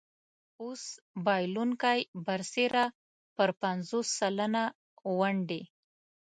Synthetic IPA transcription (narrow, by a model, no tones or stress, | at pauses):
os | bɑjluŋkajbaɾseɾa | pəɾpanzosːalana | waɳɖe